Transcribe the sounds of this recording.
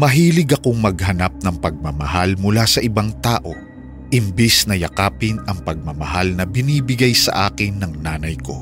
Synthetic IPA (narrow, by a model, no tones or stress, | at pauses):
mɐɦiːlɪɡɐko̞ŋmɐɡɦɐnap̚nɐŋpɐɡ̚mɐmɐɦalmʊlasɐʔɪbaŋt̪aːʔo̞ | ʔɪmbɛsnɐjɐkaːpɪnɐŋpɐɡ̚mɐmɐɦalnɐbɪniːbɪɡajsɐ̰ʔaːkɪnːɐŋnaːnɐjko